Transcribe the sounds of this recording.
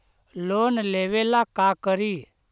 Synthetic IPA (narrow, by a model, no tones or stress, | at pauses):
loːnleʋelakakəɾi